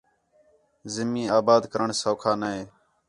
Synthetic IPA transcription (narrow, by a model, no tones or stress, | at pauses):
zɪmːĩːaːbaːd̪kəɾəɳsoːkʰaːnaɦeː